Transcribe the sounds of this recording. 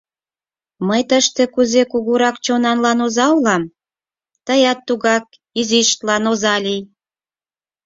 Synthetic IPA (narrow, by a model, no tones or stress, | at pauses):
məjt̪əʃt̪ekuzekuɣuɾɑkt͡ɕonɑnlɑnozɑulɑm | t̪əjɑt̪ːuɣɑk̚ | iziʃt̪lɑnozɑlij